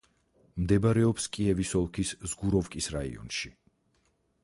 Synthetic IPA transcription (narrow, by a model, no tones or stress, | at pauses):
md̪ɛbaɾɛɔpskʼiɛvisɔlˠkʰiszɡuɾɔvkʼisɾaḭɔ̰nʃi